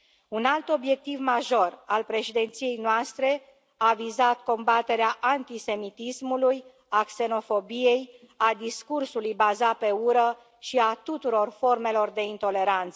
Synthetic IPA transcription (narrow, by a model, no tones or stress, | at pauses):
unalt̪o̞bje̞k̚t̪ivmaʒo̞ralpɾe̞ʃid̪e̞nt̪sije̞jnoast̪ɾe̞ | avizat̪ko̞mbat̪e̞ɾeaʔant̪ise̞mit̪ismuluj | akse̞no̞fo̞bije̞j | ad̪iskursulujbazape̞uɾə | ʃiat̪ut̪uɾo̞rfo̞rme̞lo̞rd̪e̞int̪o̞le̞ɾant̪səə